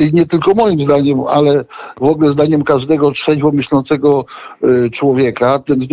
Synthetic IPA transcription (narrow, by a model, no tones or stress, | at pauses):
iɲɛt̪ɘlkɔmɔjimzd̪aɲɛma̰lɛvɔɡlɛzd̪aɲɛmkaʐd̪ɛɡɔt͡ʂʂɛd͡ʑvɔmɘɕlɔ̃nt̪sɛɡɔ | t͡ʂwɔvʲjɛkat̪ɛn